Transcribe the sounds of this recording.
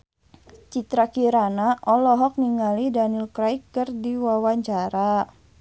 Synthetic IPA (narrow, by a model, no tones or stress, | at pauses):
t͡ʃit̪ɾakiɾanaʔɔlɔɦɔk̚niŋalidanilkɾaikːɨrdiwawaɲt͡ʃaɾa